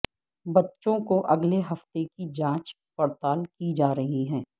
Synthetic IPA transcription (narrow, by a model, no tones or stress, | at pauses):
bɐtːʃõkoʔɐɡleɦɐft̪ekid͡ʒãːt͡ʃ | pɐɾt̪aːlkid͡ʒaːɾɐɦiɦɛ̃ː